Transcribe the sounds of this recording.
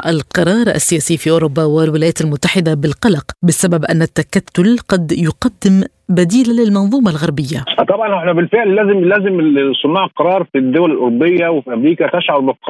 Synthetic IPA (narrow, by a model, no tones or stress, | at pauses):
ʕʔalqɑɾˤɑːɾˤʔa̰sːɪjæːsɪjːfiːʔʊɾʊbːawɪlwɪlæjaːt̪almʊt̪ːaħɪd̪abɪlqɑlɑqbɪsːababʔanːat̪ːakat̪ːʊlqɑd̪jʊqɑd̪ːɪm | bad̪iːlalɪlmɑnðˤuːmɑalɣɑɾˤbɪjːat̪ˤɑbʕɑnnæbɪlfeʕllæːzɪmlæːzɪmsˤʊmɑːʕqɑɾˤɑːɾˤfid̪ːowælɪlʔoɾʊbːɪjːawɪfiʔæmɾiːkæt̪eʃʕɑɾˤbɪq